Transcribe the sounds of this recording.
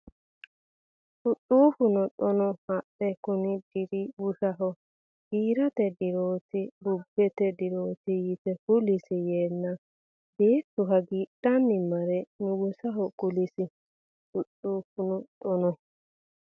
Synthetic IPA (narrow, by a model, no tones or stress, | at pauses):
ʔʊtʼːuːfʊnɔt̪ʼɔnɔhɐtːɛkʊnɪd̪̥ɪɾɪbʊʃɐɦɔ | ɡiːɾɐt̪ɛd̪ɪɾoːt̪ɪlʊbːɛt̪ɛd̪ɪɾoːt̪ɪjɪt̪ɛhʊlɪsɪjeːnːɐ | beːt̪ːʊɦɐɡiːᶑːɐnːɪmɐɾɛnʊɡʊsɐɦɔkʊlɪsɪ | tʊtʼːuːfʊnɔᶑʼɔnɔ